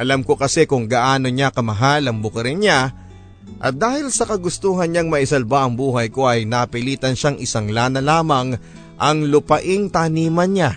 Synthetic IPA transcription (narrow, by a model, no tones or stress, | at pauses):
ʔɐlamko̞kɐsɛkʊŋɡaʔaːno̞ɲakɐmɐɦalɐŋbʊkɐɾɪnɲa | ʔɐ̰t̪̚d̪aːhɪlsɐkɐɡʊst̪uːɦɐnɲaŋmɐʔɪsɐlbaʔɐŋbuːɦɐjko̞ʔɐjnɐpɪliːt̪ɐnʃaŋʔɪsɐŋlaːnɐlaːmɐŋ | ʔɐŋlʊpɐʔɪŋt̪aniːmɐnɲa